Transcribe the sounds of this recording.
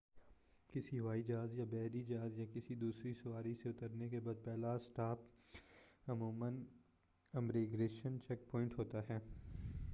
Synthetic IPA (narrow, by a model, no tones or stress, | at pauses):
kɪsiʋaːid͡ʒaːzjabɛːɾid͡ʒaːzjakɪsid̪uːsɾisʊʋaːɾiseʊt̪əɾnekebaːd̪̚pɛːlasʈaːp | ɐmuːmən | ɐmɾeːɡɾeːʃənt͡ʃɛk̚pɔːɪ̃ɳʈɦoːt̪aɦɛː